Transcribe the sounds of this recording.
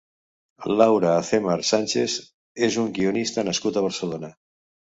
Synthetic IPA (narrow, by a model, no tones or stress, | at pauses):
lawɾaːθemaɾsanʲt͡ʃes | ezuŋɡionist̪anaskut̪aβ̞aɾselona